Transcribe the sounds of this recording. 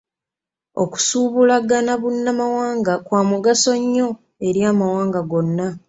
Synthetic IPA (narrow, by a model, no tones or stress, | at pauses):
o̞̰ku̥suːβulaɡanaβunːamawaːŋɡakwaːmuɡaso̞ɲːo̞ | e̞ɾjaːmawaːŋɡaɡo̞nːa